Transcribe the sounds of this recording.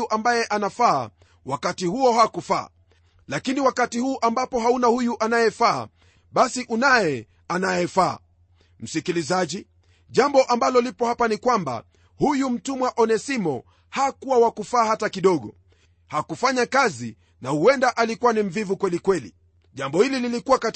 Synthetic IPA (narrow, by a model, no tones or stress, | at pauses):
uʔambajɛʔanafa̰ː | wakatihuɔhakufa̰ː | lakiniwakatihuːʔambapɔɦaunahujuʔanajɛfa̰ː | ɓasiʔunajɛ | anajɛfa̰ː | m̩sikilizaʄi | ʄambɔʔambalɔlipɔhapanikwamba̰ | hujum̩tumwaʔɔnɛsimɔ | hakuwawakufaːhatakiɗɔɠɔ | hakufaɲakazi | nahuɛndaʔalikuwanim̩vivukwɛlikwɛlḭ | ʄambɔhilililikuwaka